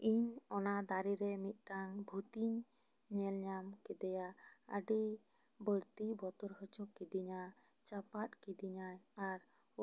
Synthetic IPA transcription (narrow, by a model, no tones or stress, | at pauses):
iɲɔnad̪aɾiɾɛmit̪̚ˀʈ̪anbʱut̪iɲː | ɛlɲamkɛd̪ɛjaə̰ɖi | bəɾt̪ibɔt̪ɔɾɦət͡ʃɔkːid̪iɲa | t͡ʃapat̚kid̪iɲajaɾ